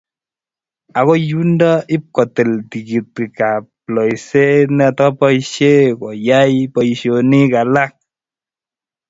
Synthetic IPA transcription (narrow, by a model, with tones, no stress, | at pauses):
a˨ko˦ju˦ndɔ˦ʔi˦p̚kɔ˨te˨lti˨ki˨t̚ki˨ka˨plɔ˨jse˦nɛ˦˨tːpɔ˦iʃe˦kɔ˨ja˦jpɔ˨iʃo˨ni˦ka˨la˦k̚